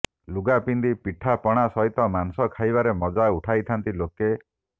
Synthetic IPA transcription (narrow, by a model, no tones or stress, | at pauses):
luɡapind̪ipiʈʰapɔɽ̃asɔɦit̪ɔmansɔkʰajbaɾemɔd͡ʒauʈʰajt̪ʰant̪iloke